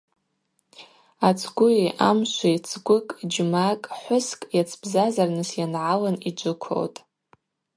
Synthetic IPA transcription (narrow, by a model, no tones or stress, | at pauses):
at͡sʰɡʷʊiʔamʃʷit͡sʰɡʷʊkʼd͡ʒmakʼħʷʊskʼjat͡sʰb̥zazarnɨsjanʕalanid͡ʒʷʊkʷʰo̰wtʼ